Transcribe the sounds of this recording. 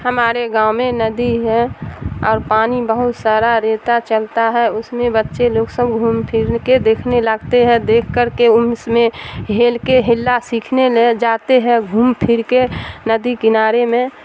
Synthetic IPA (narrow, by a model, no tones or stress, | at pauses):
həmaːɾeɡãːʊmẽnəd̪iɦɛ̃ɔːɾpaːnibəɦʊt̪saːɾaɾeːt̪at͡ʃəlt̪aɦɛʊsmẽbətːʃeloːɡsəbɡʱuːmpʰɪɾked̪eːkʰneləɡt̪eɦɛ̃d̪eːkʰkəɾkeʊmsmẽɦeːlkeɦɪlːasiːkʰneled͡ʒaːt̪eɦɛ̃ɡʱuːmpʰɪɾkenəd̪ikɪnaːɾemẽ